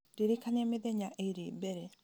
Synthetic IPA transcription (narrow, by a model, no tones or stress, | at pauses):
diɾikanɛmeðeɲaʔeiɾebɛɾɛ